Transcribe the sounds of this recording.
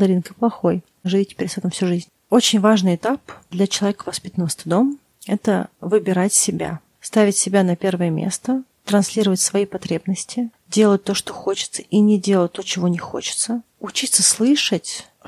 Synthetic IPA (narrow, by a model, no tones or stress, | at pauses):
d̪ɐɾʲinkəɨplˠɐxo̞j | ʐɨvʲitʲːɪ̥pʲeɾʲsɛt̪əmfsʲuʐizʲnʲ | ot͡ɕɪnʲvaʐnɨɪjɪt̪apd̪lʲɐt͡ɕɪlˠɐvʲekəvɐspʲit̪ənəvəst̪ɨd̪o̞m | ɛt̪ə̰vɨbʲɪɾatʲsʲɪbʲa̰ | st̪avʲɪtʲsʲɪbʲanɐpʲe̞rvəjəmʲḛst̪ət̪ɾɐnsʲlʲiɾəvətʲsvɐipɐt̪ɾʲe̞bnəsʲtʲɪ | dʲelˠət̚ʲt̪o̞ʂt̪oxo̞t͡ɕɪ̥t̪sə̥ʔinʲɪdʲelˠət̚ʲt̪o̞t͡ɕɪvo̞nʲɪxo̰t͡ɕɪ̥t̪sə | ʊt͡ɕit̪sːəslˠɨʂətʲ